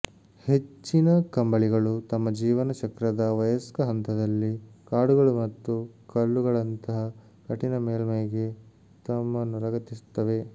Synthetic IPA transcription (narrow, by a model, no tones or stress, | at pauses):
he̞t͡ʃːinɐkɐmbɐɭiɡɐɭut̪ɐmːɐd͡ʒiːʋɐnɐt͡ʃɐkɾɐd̪ɐʋɐjɐskɐɦɐnt̪ɐd̪ɐlːikaːɽuɡɐɭumɐt̪ːukɐlːuɡɐɭɐnt̪ɐɦɐ | kɐʈinɐmeːlmɐjɐɡe | t̪ɐmːɐnːuɾɐɡɐt̪ːisu̥t̪ːɐʋe̞